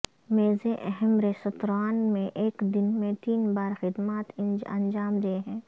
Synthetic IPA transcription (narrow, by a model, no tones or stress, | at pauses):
meːzẽʔɛɦɛmɾesɐt̪ɾaːnmẽʔeːkd̪ɪnmẽt̪iːnbaːɾxɪd̪maːt̪ɪ̃nd͡ʒɐ̰̃nd͡ʒaːmd̪eeɦɛ̃ː